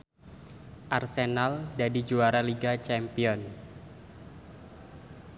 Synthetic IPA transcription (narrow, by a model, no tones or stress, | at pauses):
ʔarsenaldadid͡ʒuaɾaliɡat͡ʃɛmpiɔn